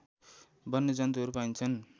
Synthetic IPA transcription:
bʌnːed͡zʌnt̪iɦʌɾupaint͡sʰʌn

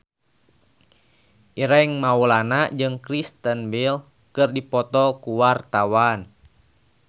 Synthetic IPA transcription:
ʔiɾaiŋmaulanad͡ʒɨŋkɾist̪ənbil | kɨrdipɔt̪ɔkuwart̪awan

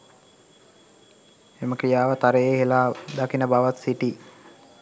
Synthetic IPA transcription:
eməkɾijaːʋət̪aɾəjeːɦelaːd̪akinəbaʋat̪siʈi

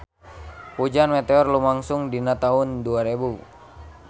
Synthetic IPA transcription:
pud͡ʒanmɛt̪ɛɔrlumaŋsuŋdinat̪aɦunduaɾebu

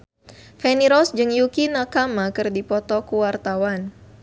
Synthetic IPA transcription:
fɛniɾɔsd͡ʒɨŋjukinakamakɨrdipɔt̪ɔkuwart̪awan

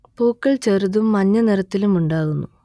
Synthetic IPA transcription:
poːkːɐɭt͡ɕeruðumːɐnːɐniɾɐt̪ːilumuɳɖaːɣunːu

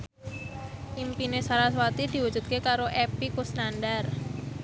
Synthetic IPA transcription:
ʔimpinesaɾas̬wat̪id̪̥i̤wud͡ʒṳt̪̚kekaɾoʔepikusnanɖar

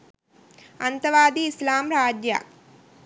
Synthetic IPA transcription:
ɐnt̪ɐʋaːd̪iːslaːmɾaːd͡ʒja̰ː

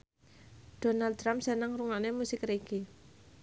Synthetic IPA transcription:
d̥o̤nal̚ɾampsənaŋruŋanemusɪkreɡ̥i

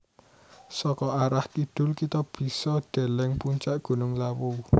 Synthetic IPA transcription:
sɔkɔaɾahkiɖ̥ʊ̤lkit̪ɔb̥i̤sɔɖ̥e̤lɛŋpuɲt͡ʃaʔɡ̥ṳnʊŋlawu

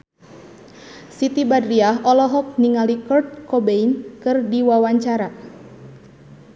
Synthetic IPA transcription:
sit̪ibadɾiaɦɔlɔɦɔk̚niŋalikɔrt̪̚kɔbeinkɨrdiwawaɲt͡ʃaɾa

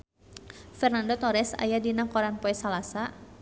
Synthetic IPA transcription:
fɛrnandot̪ɔɾɛsa̰jadinakɔɾanpoɛsalasa

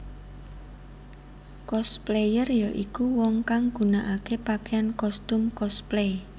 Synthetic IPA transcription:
kɔsplejərjaʔikuwɔŋkaŋɡ̥ṳnaʔakepakeankɔst̪ʊmkɔsple

